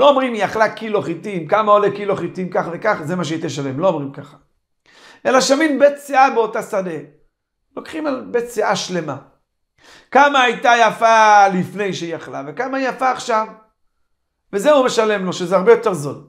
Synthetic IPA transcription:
loːomʁimjaχlakiloχitimkamaolekiloχit̪imkaχve̞kaχzemaʃ̬eit̪eʃale̞mlo̞omʁimkaχḁ | ʔe̞laʃaminbet̪t͡seabeo̞tasade | lo̞kχimalbett͡seʔaʃle̞ma | kamaajtajafalifne̞jʃejaχlave̞kamajafaːχʃav | vezeumeʃale̞mlo̞ʃezeaʁbejo̞te̞ʁzo̞d

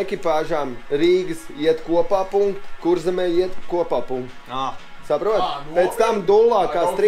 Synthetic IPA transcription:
ekʲipaːʒaːmɾiːɡɨsiɛt̪kuɔpaːpuŋkt̪kuɾzɛmɛːjiɛt̪kuɔpaːpuŋkt̪ | sapɾuɔt̪pet̪st̪amd̪ulˠːaːkaːst̪ɾ

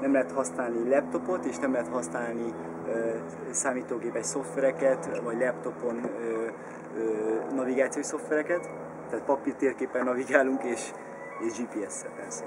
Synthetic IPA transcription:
nɛmlɛɦɛt̪hɒsnaːlnilɛp̚t̪o̞po̞t̪eːʃnɛmlɛɦɛt̪hɒsnaːlni | ø | saːmiːt̪oːɡeːpɛcso̞ft̪vʋɛɾɛkɛt̪vɒɟlɛpt̪o̞po̞nøː | øːnɒviɡaːt̪sijoiso̞ft̪ʋɛɾɛkɛt̪ | t̪ːaːt̪̚pɒpirt̪eːrkeːpːɛnːɒviɡaːluŋkeːʃ | eːʒd͡ʒiːpiːɛsːɛ̰lpɛrsɛ

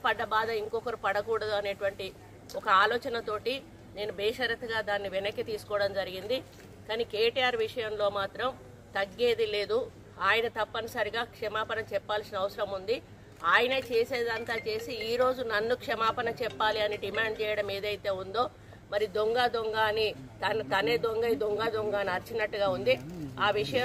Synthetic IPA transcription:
ɐpɐɖːɐbaːd̪ɐiŋkɔkɐɾupɐɽɐkuːɽɐd̪uɐne̞ːʈʋɐɳʈi | ɔkɐaːlɔːt͡ʃɐnɐt̪o̞ːʈi | ne̞ːnubɛːʂɐɾɐt̪ːɐɡaːd̪aːnːiʋɛnɐkːit̪iːsu̥kɔːɐɽɐmd͡ʒɐɾiɡind̪i | kaːnikeːʈiaːɾʋiʂɐjɐmlo̞ːmaːt̪ɾɐm | t̪ɐɡːe̞ːd̪ile̞ːd̪u | aːjɐnɐt̪ɐpːɐnisɐɾiɡaːkʂɛmaːpɐnɐt͡ʃɛpːaːlsinɐɐʋɐsɐɾɐmund̪i | aːjɐnɐt͡ʃeːse̞ːd̪ɐnt̪aːt͡ʃe̞ːsiːɾo̞ːd͡ʒunɐnːukʂɛmaːpɐnɐt͡ʃɛpːaːliɐniɖimaːɳɖt͡ʃɛːjɐɽɐmeːd̪ɐjt̪e̞ːund̪o̞ː | mɐɾid̪oŋɡaːd̪oŋɡaːni | t̪ɐnɐt̪ɐneːd̪oŋɡɐjid̪oŋɡaːd̪oŋɡaːniɐɾt͡ʃinɐʈːuɡaːund̪iaːʋiʂɐjɐ

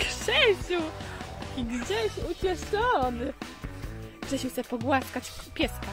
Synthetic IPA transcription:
kʂɛɕu | iɡd͡ʑɛɕut͡ɕɛʂɔnɘ | ɡʂɛɕuwxt̪sɛpɔɡwaskat͡ɕpʲjɛska

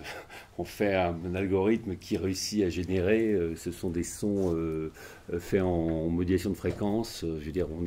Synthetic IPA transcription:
ɔ̃fɛɛ̃nalɡɔʁit̪məkʲʰiʁeysiaʒeneʁeøsəsɔ̃d̪esɔ̃ø | fɛɑ̃mɔd̪iasjɔ̃d̪əfχekɑ̃søʒved̪iʁɔ̃n

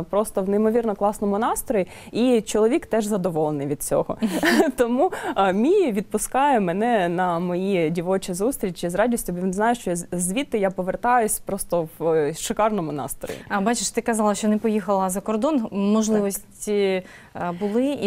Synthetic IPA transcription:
pɾɔst̪ɔwnejmɔʋʲirnɔklˠɑsnɔmʊnɑst̪ɾɔji | it͡ʃɔlˠɔʋʲikt̪ɛʒzɐd̪ɔʋɔlˠenɪjʋʲid̪̚t͡sʲɔɦɔt̪ɔmumʲijʋʲid̪̚pʊskɑjɛmɛnɛnɐmɔjidʲiʋɔt͡ʃɪzust̪ʲɾʲit͡ʃʲizrɑdʲisʲtʲʊbʋʲinznɑjɛʃt͡ʃɔzʲʋʲit̪ːɪjapɔʋert̪ɑjʊsʲpɾɔst̪ɔwʃɪkɑrnɔmʊnɑ̰st̪ɾɔ̰jḭbɑt͡ʃeʃt̪ɪkɐzɑlˠɐʃt͡ʃɔnɛpɔjixɐlˠɐzɐkɔrd̪ɔnmɔʒlˠɪʋɔsʲtʲi | bʊlˠɪ

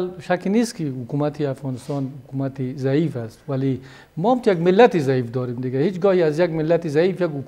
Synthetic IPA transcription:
lʃakinist̪kʰihʊkumat̪ʰiafɣɔːnɪst̪ɔnhʊkumat̪izaiːfast̪wali | mɔamt̪ujaɡmɪlːat̪izaiːfd̪ɔːɾimd̪ɪɡahit͡ʃɡɔhiazjaɡmɪlːat̪izaiːfjaɡhʊk

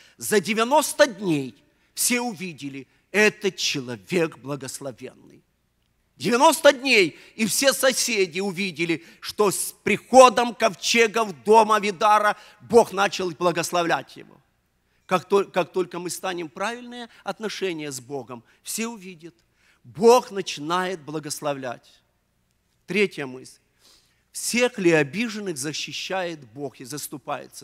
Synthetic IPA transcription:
zɐdʲɪvʲɪno̞st̪ədʲnʲej | fsʲe̞ʊvʲidʲɪlʲɪ | ɛt̪ət͡ɕɪlˠɐvʲeɡblˠɐɡəslˠɐvʲe̞̰nːɨ̰j | dʲɪvʲɪno̞st̪ədʲnʲej | ifsʲesɐsʲedʲɪʊvʲidʲɪlʲɪ | ʂt̪ospɾʲɪxo̞d̪əmkɐft͡ɕeɡəvd̪o̞məvʲɪd̪aɾə | bo̞xnat͡ɕɪlˠblˠɐɡəslˠɐvlʲætʲjɪ̰vo̰ | kakt̪okak̚t̪o̞lʲkəmɨst̪anʲɪmpɾavʲɪlʲnɨjəɐt̪nɐʂɛnʲɪjəzbo̞ɡəm | fsʲe̞ʊvʲidʲət̪ | bo̞xnət͡ɕɪnajɪt̪̚blˠɐɡəslˠɐvlʲæ̰tʲ | t̪ɾʲetʲjəmɨsʲlʲ | fsʲexlʲɪɐbʲiʐɨnːɨxzəɕːɪɕːæjɪt̪bo̞xɪzəst̪ʊpa̰jɪ̰t̪sə

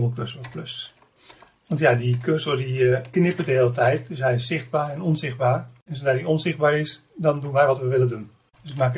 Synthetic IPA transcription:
bəlˠkʰørsləpløss | ʋɑntjadikʰøsəlˠdiəknɪpədəɦeːlətʰɛjtsʋɛjssɪχd̚baːrɛnɔnzɪχ̚baːrɛnsodadiɔnsɪχd̚baːɾɪsdɔndunʋɛjʋɔtʋəʋɪlədun | d̥øsɪk̚maːk

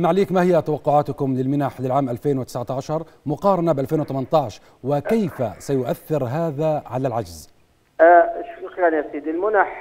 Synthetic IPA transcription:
mːaʕliːkmahɪjːat̪awɑqːʊʕaːt̪ʊkʊmlɪlmɪnaħlɪlʕaːmʔalfeːnwɪt̪ɪ̥sʕat̪aʕaʃɑɾˤ | mʊqɑːɾˤɑnabʔalfeːnwɪt̪amant̪ˤɑːʕʃ | wɪkajfasajʊʔaθːɪɾɦaːðaʕalalʕad͡ʒz | ʃuxanasiːd̪ɪlmʊnaħ

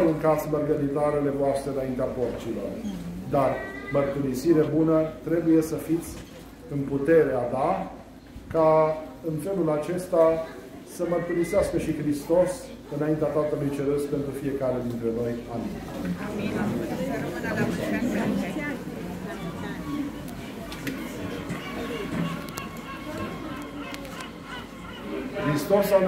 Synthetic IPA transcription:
uŋkasmərɡəɾit̪aɾele̞voast̪ɾeɨnaint̪eapo̞rt͡ʃilo̞̰rd̪armərt̪uɾisiɾe̞bunət̪ɾe̞buje̞səfit̪sʲ | ɨnput̪e̞ɾead̪a | kaɨnfe̞lulat͡ʃe̞st̪a | səmərt̪uɾiseaskəʃixɾist̪o̞s | ɨnaint̪eat̪at̪əlujt͡ʃe̞ɾəspe̞nt̪ɾufie̞kaɾed̪int̪ɾe̞no̞jamḭn | kɾist̪o̞sa

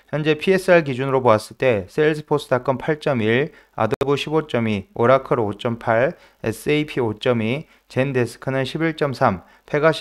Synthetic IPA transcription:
çjʌnd͡ʑe̞pʰie̞s͈ʰɯaɭɡid͡ʑunɯɾoboas͈ɯɭt͈e̞sʰeɭsʰɯ̥pʰosʰɯ̥dak͈ɯmpʰaɭt͡ɕ͈ʌmiɭ | a̰dʌʌbuɕʰibot͡ɕ͈ʌmioɾakʰɯɾot͡ɕ͈ʌmpʰaɾ | ḛs͈ʰɯepʰiot͡ɕ͈ʌmi | t͡ɕe̞ndesʰɯ̥kʰɯnɯnɕʰibiɭt͡ɕ͈ʌmsʰam | pʰe̞ɡaɕ

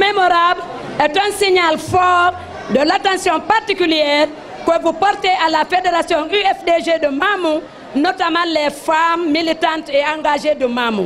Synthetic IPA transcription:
memoɾabl | ɛtɛ̃nsiɲalfɔɾ | dəlatãsjɔ̃paɾtikyljɛːɾ | kəvupɔɾteʔalafedeɾasjɔ̃yɛfdeʒedəmamu | notamãlɛfammːilitãnteãŋɡaʒedəmamṵ

